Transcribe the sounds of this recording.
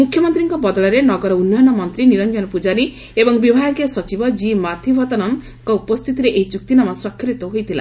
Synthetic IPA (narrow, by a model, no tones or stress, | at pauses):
mukʰjɔmɔnt̪ɾiŋkɔbɔd̪ɔɭɔɾenɔɡɔɾɔunːɔjɔnɔmɔnt̪ɾiniɾɔnd͡ʒɔnɔpud͡ʒaɾi | ebɔŋbibʱajɔkiɔsɔt͡ʃibɔd͡ʒimat̪ʰibʱɔt̪ɔnɔŋ | kɔupɔst̪ʰit̪iɾeʔeid͡ʒuk̚t̪inamɔsɾɔkʰːɾit̪ɔɦojt̪ʰila̰